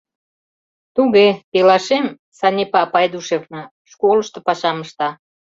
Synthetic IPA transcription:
t̪uɣepelɑʃem | sɑnʲepɑpɑed̪uʃeknɑ | ʃkolə̆ʃt̪ɤ̆pɑʃɑməʃt̪ɑ

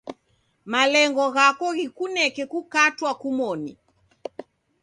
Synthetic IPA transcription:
malɛŋɡɔɣakɔɣikunɛkɛkukatwakumɔni

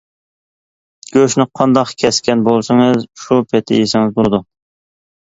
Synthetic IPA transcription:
ɡ̥ʲøʃnɪqʰɑnd̪ɑqkʲʰɛskʲʰɛnbolˠsɨŋɨzʃupʰet̪ʰɪ̰jisɪŋɪzbolˠɨd̪u

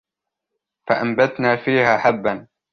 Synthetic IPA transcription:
faʔambat̪naːfiːhaːħabːan

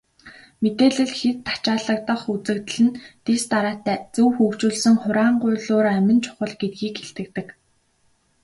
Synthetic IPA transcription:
met̪eːɮɘ̆ɮxet̪ʰːḁt͡ɕaːɮə̆k̚t̪ə̆χut͡sɘ̆kt̪̆ɮɘ̆nt̪est̪aɾaːt̪æːt͡suwxuːkt͡ɕuːɮsə̆ŋχʊɾaːɴɢʊːɮʊːɾæmʲɪ̆nt͡ɕʰʊ̥χə̆ɮɡet̪̚ɡiːkxeɬt̪ɘ̆k̚t̪ɘ̆k

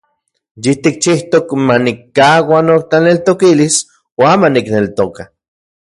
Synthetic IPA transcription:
jit̪ik̚t͡ʃiht̪okmanikːawanok̚t̪anelt̪okilis | oamaniknelt̪oka

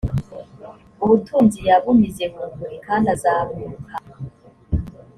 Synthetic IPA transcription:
uβutʰuːnzijaβumizekuɡuɾikaːnazaβokʰam

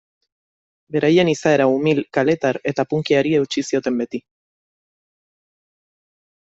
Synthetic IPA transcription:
be̞ɾaje̞nisae̞ɾaumilkale̞t̪aɾe̞t̪apuŋkiaɾie̞wt͡ʃisio̞t̪e̞mbe̞t̪i

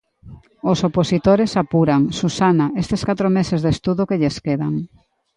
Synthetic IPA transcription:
osoposit̪oɾesapuɾaŋsusanaest̪eskat̪ɾomesezðest̪uðokeʎeskeðaŋ

